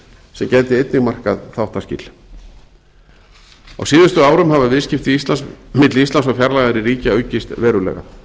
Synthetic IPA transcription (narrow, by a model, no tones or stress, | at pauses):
sɛmcɛjt̪ɪejt̪nɪɣmar̥kaðθawht̪ascɪ̰l̥ | a̰wsiːðʏst̪ʏaːwɾʏmhavavɪðscɪft̪ɪist̪lansmɪt̪lɪist̪lansɔfjaɾlajɣaɾɪriːcaœːɥcɪst̪vɛːɾʏlɛ̰ɣa̰